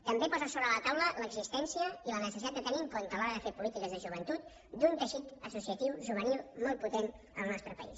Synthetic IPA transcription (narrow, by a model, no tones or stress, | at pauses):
t̪əmbepɔzəsoβɾələt̪awlələɡzist̪ɛnsiəilənəsəsit̪at̪d̪ət̪əniŋkɔnt̪əlɔɾəðəfepulit̪ikəzðəʒuβ̞ənt̪ut̪ | d̪unt̪əʃit̪əsusiət̪iwʒuβ̞ənilˠmɔl̚ˠput̪en | ə̰lˠnɔst̪ɾəpə̰ḭs